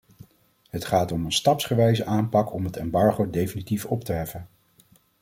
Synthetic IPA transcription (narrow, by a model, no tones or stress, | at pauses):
ɦətχaːtɔmənstɑpsχəʋɛjzəʔaːmpɑkɔmɦətɛmbɑɹχowdejfinitifɔptəɦɛfən